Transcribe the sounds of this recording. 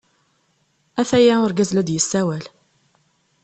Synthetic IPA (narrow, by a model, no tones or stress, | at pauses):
æfæjæʊɾɡæzlæd̪jəsːæwæl